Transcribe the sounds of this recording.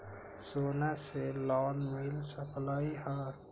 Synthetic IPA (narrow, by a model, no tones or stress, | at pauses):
soːnaselɔnmilsəpʰləjɦə